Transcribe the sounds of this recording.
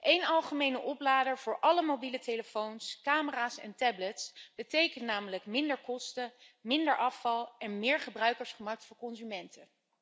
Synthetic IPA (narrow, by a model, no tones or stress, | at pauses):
ʔejnɑlˠχəmejnəʔɔplaːdəɹv̥ʊːɹʔɑləmowbiləteləfownskaːməraːsɛ̰ntɛblətsb̥ətejkənnaːmələkmɪndəɹkɔstəmɪndəɹʔɑfɑlˠɛnmɪːɹχəbrœɥkəɹsχəmɑk̚tfʊːɹkɔnzymɛntə